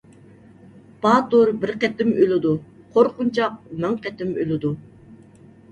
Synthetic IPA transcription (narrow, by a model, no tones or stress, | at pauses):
pɑːt̪uɾbɪɾqɛt̪ɪmølɪd̪u | qʰoɾqʊnt͡ʃʰɑq̚mæŋqɛt̪ɪmølɪd̪u